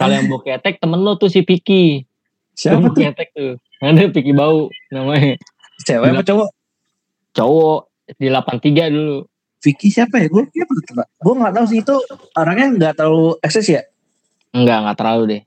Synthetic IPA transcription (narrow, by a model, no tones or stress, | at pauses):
kalojaŋbokiat̪ɛk̚t̪əmənlot̪usihpiki | siapaokeat̪ɛk̚t̪u | ŋadɛpikibaunamaɲa | siapailapat͡ʃowɔʔ | t͡ʃowɔʔ | dilapant̪iɡadulu | fikisiapajaɡuabkiapatt̪əlaɡuaŋat̪aus̬it̪u | aɾaŋɲaŋɡaʔt̪ərlaluɛksɛsja | əŋɡaʔŋɡat̪əɾlaludɛh